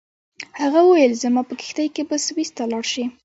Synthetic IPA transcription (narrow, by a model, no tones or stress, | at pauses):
haɣawəwajəlzəmapəkɪ̥xt̪ajkebaswist̪alɑɽʃi